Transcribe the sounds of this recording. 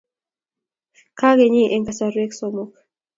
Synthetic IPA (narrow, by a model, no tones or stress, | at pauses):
kaɣeɲiʔeŋkasaɾueksomok